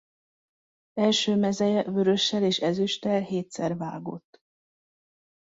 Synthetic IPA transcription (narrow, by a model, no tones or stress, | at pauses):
ɛlʃøːmɛzɛjɛvøɾø̞ʃːɛleːʃɛzyʃt̪ɛlheːt̪sɛrva̰ːɡo̞̰t̪ː